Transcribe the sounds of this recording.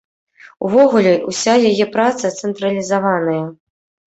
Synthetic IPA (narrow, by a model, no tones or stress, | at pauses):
uvɔɣulʲɛʔusʲajajɛpɾat̪sɐt̪sɛnt̪ɾɐlʲizavanɐjɐ